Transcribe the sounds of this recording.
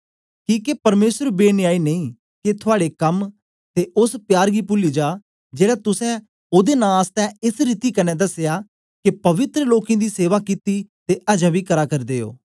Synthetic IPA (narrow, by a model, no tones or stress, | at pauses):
kĩːkepəɾmeːsəɾbeːnɪaːiːnəĩː | ket̪ʰʊaːɽeːkəm | t̪eːʊspjaːɾɡiːpʊliːd͡ʒaː | d͡ʒeːɽɛːt̪ʊsɛ̃ː | ʊd̪eːnãːaːst̪ɛ̃ːɪsɾiːt̪iːkənːɛ̃ːd̪əsjaː | kɪpəʋɪt̪ɾəloːkẽːd̪iːseːʋaːkit̪iːt̪eːʔəd͡ʒɛ̃ːbiːkəɾaːkəɾd̪eːo̰ː